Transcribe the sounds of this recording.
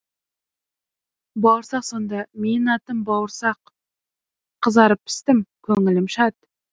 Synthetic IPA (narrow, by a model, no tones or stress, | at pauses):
bɑwəɾsɑqso̞nd̪ɑme̞nɑt̪əmbɑwəɾsɑq | əzɑɾəpɪ̥st̪ɪmkʲʰɵŋɪlɪmʃɑt̪